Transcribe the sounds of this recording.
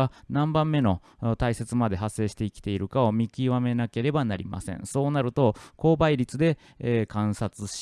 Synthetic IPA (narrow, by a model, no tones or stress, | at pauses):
anãmbãmːe̞no̞ | t̪aise̞t͡sɨmad̪e̞ɦasːe̞ːɕi̥t̪e̞ikʲi̥t̪e̞iɾɯ̟kao̞mʲikʲiβame̞nake̞ɾe̞banaɾʲḭma̰sẽ̞̰ɴso̞ːnaɾɯ̟t̪o̞ko̞ːbaiɾʲit͡sɨd̪e̞ː | kãɰ̃sat͡sɨɕ